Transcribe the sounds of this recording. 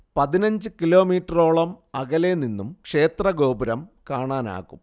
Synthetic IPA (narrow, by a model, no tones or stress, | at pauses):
pɐðinɐɲd͡ʑɨkilo̞ːmiːʈːɐroːɭɐmɐɣɐleninːumkʂe̞ːt̪rɐɡo̞ːbɐɾɐmkaːɳaːna̰ːɣum